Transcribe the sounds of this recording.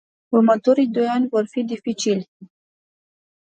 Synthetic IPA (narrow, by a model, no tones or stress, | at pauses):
urmət̪o̞ɾijd̪o̞janʲvo̞rfid̪ifit͡ʃilʲ